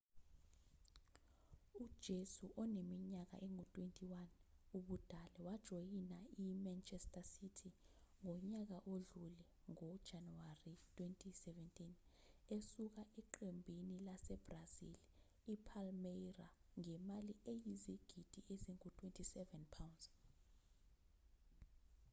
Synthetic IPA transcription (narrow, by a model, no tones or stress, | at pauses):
ud̥ʒ̥ʱesuʔɔnemiɲak̬a̰ʔɛŋutʼwentʼiwanuɓud̥ʱalɛwad̥ʒ̥ʱojinaimant͡ʃʰʼɛstʼasitʰiŋɔɲak̬aʔoɮulɛ | ŋɔd̥ʒ̥ʱanuwaritʰʼwentʼisɛvɛntʼin | esuk̬aʔɛǃembʱinilasɛb̥razḭl | ipʰalmeraŋɛmaliejiziɡ̥ʱid̥ʱieziŋutʰʼwentʼʰisɛvɛnpʰawndz